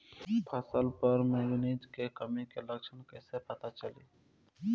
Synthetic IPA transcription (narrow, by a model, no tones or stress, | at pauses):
pʰəsəlpəɾmeɡnid͡ʒkekəmikeləkʃʰənkeːsepət̪at͡ʃəli